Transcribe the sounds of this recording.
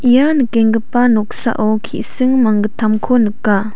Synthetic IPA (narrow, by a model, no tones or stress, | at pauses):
ʔijanɯkeŋɡəpanɔk̚sa̰ʔɔkʰḭʔsɯŋmaŋɡətʰamkʰonɯkːa